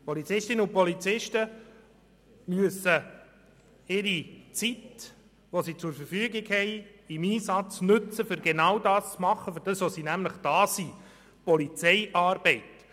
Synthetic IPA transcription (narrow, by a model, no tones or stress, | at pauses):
pɔlit͡sɪʃtɪnəʊpɔlit͡sɪʃtə | myəsə | ɪɾit͡sit | ʋosiːt͡sʊɾfəɾfyəɡɪɡhɛɪɪmiːsɑt͡snɵt͡səfʏɾɡenɑwdɑːst͡smɑχəfʏɾdəsosiːnæmləχd̥ɑːsi | pɔlit͡sɛɪʔɑːɾb̥ɛɪt